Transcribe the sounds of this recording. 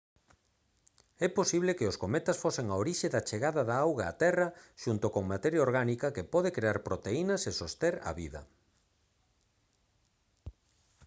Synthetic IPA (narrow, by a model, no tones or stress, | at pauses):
ɛposiβlekeʊskomɛt̪ɐsfoseŋaoɾiʃeðat͡ʃeɣaðɐðaawɣa̰ːt̪ɛrɐʃunt̪okoŋmat̪ɛɾjaoɾɣanikɐkepɔð̞ekɾeaɾpɾot̪einɐsesost̪eɾɐ̰βiðɐ̰